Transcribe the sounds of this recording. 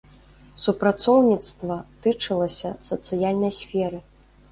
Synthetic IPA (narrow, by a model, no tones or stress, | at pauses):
supɾat̪sɔwnʲit̪st̪vɐt̪ɨt͡ʂɨlˠɐsʲɐsɐt̪sɨjalʲnɐjsʲfʲɛɾɨ